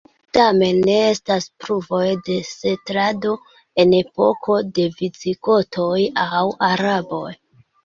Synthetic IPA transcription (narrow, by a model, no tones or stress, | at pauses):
tame̞nːe̞e̞staspɾuvo̞jde̞se̞tɾado̞ | e̞ne̞po̞̰kʰo̞de̞vit͡siko̞tʰo̞jawaɾabo̞j